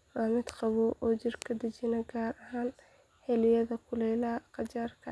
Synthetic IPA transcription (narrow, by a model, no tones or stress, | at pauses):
raːmɪd̪qɑβɔʔɔːt͡ʃɪrkʰɐd̪ɐt͡ʃɪnɐɡaːɾɐɦaːn | hɛlɪjɐðɐkʰʊlɛlɐqɑt͡ʃaːrkʰɐ̰